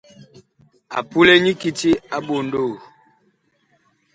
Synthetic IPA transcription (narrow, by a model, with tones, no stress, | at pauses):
a̰˨pu˦lɛ˦ɲi˦ki˨ti˦a˦ɓo˨ndo˦˨